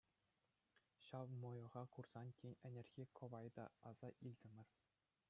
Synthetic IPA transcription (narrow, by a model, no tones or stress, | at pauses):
ɕɑʋmojɤ̆ʁɑkurz̥ɑntʲenʲɘ̆nʲerʲɡʲekʰŏʋɑjd̪ɑ̰ɑz̥ɑʔilʲd̪ʲɘ̆mʲɘ̆rʲ